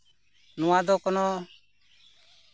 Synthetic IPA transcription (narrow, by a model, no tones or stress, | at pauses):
nɔwad̪ɔkɔnɔ